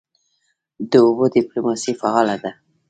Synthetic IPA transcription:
d̪əobod̪ɪplomɑsifaɑlad̪a

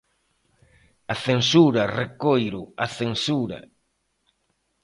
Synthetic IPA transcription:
aθensuɾɐrekojɾʊaθensuɾɐ̰

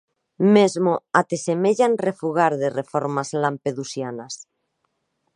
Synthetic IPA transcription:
mezmoat̪esemeʎanrefuɣaɾðerefoɾmazlampeðusjanas

